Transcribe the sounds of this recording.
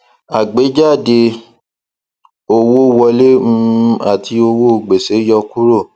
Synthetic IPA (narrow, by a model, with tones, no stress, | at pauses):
a˨ɡ͡be˨˦d͡ʒa˦˨de˧ | o˧wo˦wɔ˧le˦m̩̃˧˦a̰˨ti˧o˧wo˦˨ɡ͡be˨se˨˦jɔ˧ku˦ɾo˦˨